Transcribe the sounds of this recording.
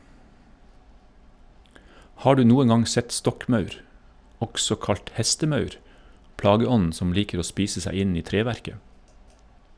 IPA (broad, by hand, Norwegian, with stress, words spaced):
ˈhɑː ˈɖʉː ˈnuːən ˈɡɑŋ ˈsɛt ˈstɔkˌmɑʉɾ ˈɔksɔ ˈkɑʎt ˈhɛstəˌmɑʉɾ ˈplɑːɡəˌɔnn̩ ˈsɔm ˈliːkəɾ ˈoː ˈspiːsə ˈsæ ˈɪn ˈiː ˈtɾeːʋæɾkə